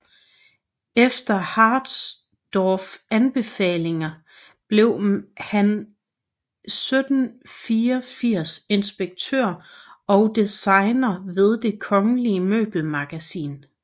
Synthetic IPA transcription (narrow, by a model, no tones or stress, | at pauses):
efd̥ɐhɑ̈ːd̥s | d̥ɒːfænb̥e̝fɛ̰ːle̝ŋɐ | b̥le̝ʊhæn | sød̥n̩fiːɐfiɐ̰se̝nsb̥eɡ̥̚t͡sʰø̰ɐ̰ɒ̽ʊd̥isɑ̈ɪnɐʋe̝ð̞ˠd̥e̝kʰɒ̽ŋəliəmø̰ːb̥l̩mɑ̈ɡ̥æsḭːn